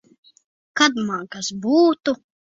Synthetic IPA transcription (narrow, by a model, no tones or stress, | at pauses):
kad̪maɡasbuːt̪u